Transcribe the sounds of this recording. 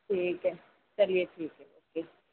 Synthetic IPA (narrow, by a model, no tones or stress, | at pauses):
ʈʰiːkɦɛ | t͡ʃɐlieʈʰiːkɦɛoːkeː